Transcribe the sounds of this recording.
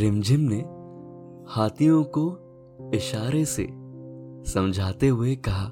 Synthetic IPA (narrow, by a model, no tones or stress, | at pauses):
ɾɪmd͡ʒʱɪmne | haːt̪ijõko | ɪʃaːɾesḛ | sɐ̃md͡ʒʱaːt̪eɦʊekɐɦaː